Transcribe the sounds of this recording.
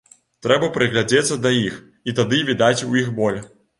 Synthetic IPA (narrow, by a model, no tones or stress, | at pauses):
t̪ɾɛbɐpɾɨɣlʲad͡zʲɛt̪sːɐd̪ajix | it̪ad̪ɨvʲid̪at͡sʲujixbɔlʲ